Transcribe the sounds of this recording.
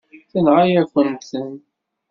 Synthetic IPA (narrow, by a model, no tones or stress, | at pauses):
θənʁajækʷːənsən